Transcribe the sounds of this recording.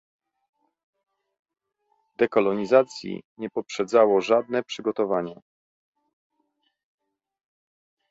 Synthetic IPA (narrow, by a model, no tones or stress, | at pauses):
d̪ɛkɔlɔɲizat̪sʲjḭɲɛpɔpʂɛd̪zawɔʐad̪nɛpʂɘɡɔt̪ɔvaɲɛ